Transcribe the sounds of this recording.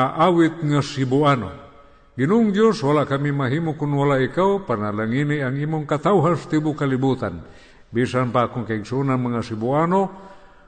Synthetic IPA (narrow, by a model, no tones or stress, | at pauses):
aʔawit̪̚ŋasibuano̰ | ɡinuŋd͡ʒoswalaʔkamimaɦimukunwalaikawpanalaŋiniaŋimuŋkat̪auɦast̪ibukalibut̪an | bisanpakuŋkaiɡsunanmaŋasibuano